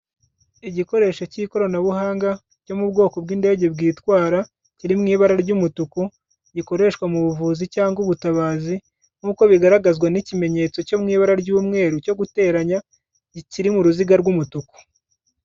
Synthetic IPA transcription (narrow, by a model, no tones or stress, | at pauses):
iɟiko̞ɾe̞ːʃo̞ciko̞ɾonaβuhaːŋɡa | co̞mubɡo̞ːko̞bɡiːndeːɟe̞bɡiːtwaːɾa | ciɾimŋiːβaɾaɾɟumutuku | ɟiko̞ɾe̞ʃwamuβuvuːzicaːŋɡuβutaβaːzi | ŋ̥uːko̞βiɡaɾaɡazɡwanicime̞ɲe̞t͡so̞co̞mŋiːβaɾaɾɟuːmŋe̞ːɾuco̞ɡute̞ːɾaɲa | ciɾimuɾuziɡaɾɡumutuku̥